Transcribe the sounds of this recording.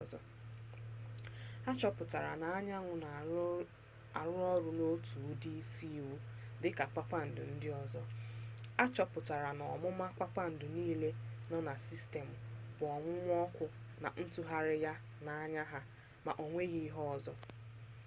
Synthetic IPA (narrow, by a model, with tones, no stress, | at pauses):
zɔ̰˦ | a˦t͡ʃɔ˦pʊ˨ta˨ɾa̰˨na˨a˦ɲa˦ŋʷʊ˨na˨ | a˨ɾʊ˦ɾɔ˦ɾʊ˦no˦tu˨˦di˦si˦u˦ | dɪ˦ka˨k͡pa˦k͡pa˦n̩˨dʊ̰˨n̩˦dɪ˦ɔ˦zɔ˦ | a˦t͡ʃɔ˦pʊ˨ta˨ɾa˨nɔ˨mʊ˦ma˦kʷa˦k͡pa˦n̩˨dʊ˨niː˦le˦nɔ˦na˨si˦ste˨m̩˨ | bʊ˨ɔ˨ŋʷʊ˦ŋʷ˦ɔ˦kʷʊ˦ | na̰˨n̩˦tʊ˦ɦa˦ɾɪ˦ja˦ | na˨a˦ɲa˦ɦa˦ | ma̰˨ʔo˨ŋʷe˦ɣi˦ɦɔ˦ɔ˨zɔ˦